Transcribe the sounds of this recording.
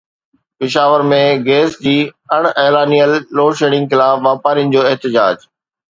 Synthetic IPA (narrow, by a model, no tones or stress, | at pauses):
pɪʃaːʋəɾmẽɡeːsd͡ʑiːɐɽ̃ɛːlaːnijəlːoːʃeːɽɪ̃ŋɡxɪlaːfʋaːpaːɾinɪ̆d͡ʑoːɪɦt̪ɪd͡ʑaːd͡ʑ